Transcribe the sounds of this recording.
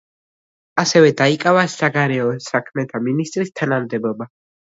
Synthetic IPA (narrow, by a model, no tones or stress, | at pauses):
asɛvɛd̪aikʼavasaɡaɾɛɔsakʰmɛt̪ʰaminist̪ʼɾist̪ʰanamd̪ɛbɔba